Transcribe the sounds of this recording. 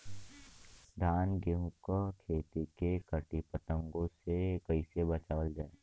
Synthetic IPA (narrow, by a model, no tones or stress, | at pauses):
d̪ʱaːnɡeɦũkakʰeːt̪ikekəʈipət̪ə̃ŋɡõsekəisebət͡ʃaːʋəld͡ʒaːe